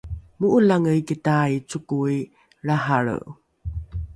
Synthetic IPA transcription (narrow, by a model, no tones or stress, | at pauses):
muʔulaŋəjkitait͡sukui | ɭaɦaɭə̰